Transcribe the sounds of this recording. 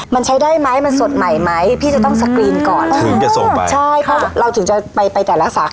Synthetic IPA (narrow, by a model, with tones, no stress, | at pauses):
ma˧nt͡ɕʰa˦˥jdaː˥˩jma˦˥jma˧nso˨˩t̪̚ma˨˩jma˦˥jpʰiː˥˩t͡ɕa˨˩t̪ɔ˥˩ŋsa˧kɾiː˧nkɔː˨˩nʰ˧˩˧o˨˩˧t͡ɕʰa˥˩jpʰɔ˦˥ɾa˧wt̪ʰɯ˩˦ŋt͡ɕa˨˩pa˧jpa˧jt̪ɛː˨˩la˦˥sa˨˩k